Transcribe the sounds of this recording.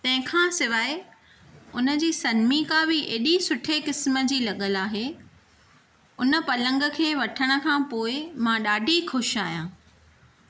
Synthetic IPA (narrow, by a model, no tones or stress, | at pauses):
t̪ɐ̃ɦɪ̃kʰãːsɪʋaːe | ʊnə̆d͡ʑiːsɐnmikãːbɪʔeːɗisʊʈʰekɪsmə̆d͡ʑiːlɐɠəlaːɦeː | ʊnə̆pɐlə̃ŋɡəkʰeːʋɐʈʰəɽ̃ə̆kʰãːpoːɪmãːɗaːɖʱixʊʃaːijãː